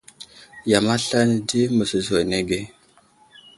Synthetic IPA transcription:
ja˨ma˦ɬa˦nə˨di˦mə˨sə˨zwo˨ne˦ɡe˦

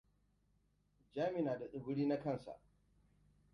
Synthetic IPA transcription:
d͡ʒaː˦mɪ˨naː˨da˨ɗʊ˨bʊ˦ɽiː˦na˦kɐ˦˨nsa̰˨ʔ

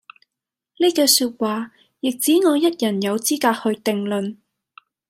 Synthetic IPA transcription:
neː˥kɛː˧syː˧t̚waː˨ | jɪ˨k̚t͡siː˨˥ŋɔː˨˧jɐ˥t̚jɐ˨˩njɐ˨˧wt͡siː˥kaː˧k̚hɵ˧ɥt̪ɪ˨ŋlɵ˨n

